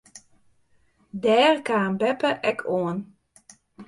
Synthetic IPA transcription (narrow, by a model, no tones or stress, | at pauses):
dɛːrkaːnbɛpəʔɛkʰoən